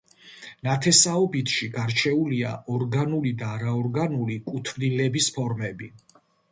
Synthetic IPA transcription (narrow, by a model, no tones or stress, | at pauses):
nat̪ʰɛsaɔbit̪ʰʃiɡaɾt͡ʃʰɛulia̰ʔɔɾɡanulid̪aːɾaɔɾɡanulikʼut̪ʰvnilɛbispʰɔɾmɛbi